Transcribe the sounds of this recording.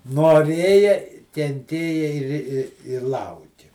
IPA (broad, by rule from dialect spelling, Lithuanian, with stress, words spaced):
noːˈrʲeːjɛ kʲɛnʲˈtʲeːjɛ ɪr ɪ ɪ ɪr ˈlˠɐʊkʲɪ